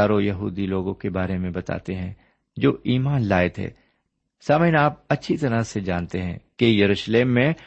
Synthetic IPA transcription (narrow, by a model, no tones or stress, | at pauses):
aːɾojɐɦuːd̪iloːɡõkebaːɾemẽbɐt̪a̰ːt̪eɦɛ̃ | d͡ʒoːʔiːmaːnlaːɪt̪ɦɛ̰ː | saːməjnaːp̚ɐtːʃʰit̪ɐɾased͡ʒaːnt̪eɦɛ̰̃kejɐɾuːʃleːmːẽ